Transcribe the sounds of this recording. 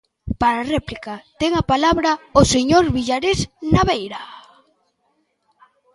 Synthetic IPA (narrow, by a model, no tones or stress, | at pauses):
paɾarɛplikat̪ɛŋapalaβɾaoseɲoɾβiʎaɾesnaβejɾa